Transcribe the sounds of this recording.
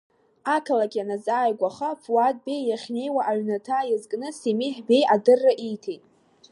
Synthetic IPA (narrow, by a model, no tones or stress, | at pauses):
akʰalakʲʼanazaːjɡʷaχapʰuwad̚ʼbe̞jjaχʲne̞jwaʔaʕnatʰajɪzkʼnɨsemiħbe̞jʔadɨrːaʔijtʰejtʼ